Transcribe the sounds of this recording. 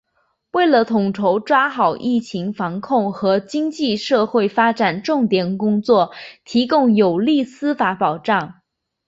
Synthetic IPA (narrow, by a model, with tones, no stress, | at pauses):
we˥˩ɪlə˩t̪ʰʊ˨˩ŋʈ͡ʂʰo˧˥ʊʈ͡ʂwa˥xɑ˨˩ʊʔi˥˩t͡ɕʰi˧˥ŋfɑ˧˥ŋkʰʊ˥˩ŋxɤ˧˥t͡ɕi˥ŋt͡ɕi˥˧ʂɤ˥˧xwe˥˩ɪfa˥ʈ͡ʂa˨˩nʈ͡ʂʊ˥˩ŋt̪jɛ˨˩nkʊ˥ŋt͡swɔ˥˩t̪ʰi˧˥kʊ˥˩ŋjo˨˩ʊli˥˩sɹ̩˥fa˧˥pɑ˨˩ʊʈ͡ʂɑ˥˩ŋ